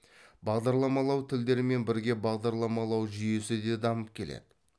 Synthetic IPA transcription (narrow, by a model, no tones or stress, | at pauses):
bɑʁd̪ɑɾlˠɑmɑlˠɑwt̪ʰɪld̪e̞ɾɪme̞nbɪɾɡʲe̞bɑʁd̪ɑɾlˠɑmɑlˠɑwʒʏje̞sɪd̪e̞d̪ɑməp̚kʲʰe̞lḛd̪ɪ